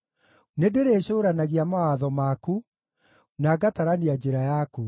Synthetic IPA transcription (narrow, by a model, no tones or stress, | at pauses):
nedeɾeɕoːɾanaɣiamawaðɔmaku | naɡataɾaniad͡ʒeɾajaku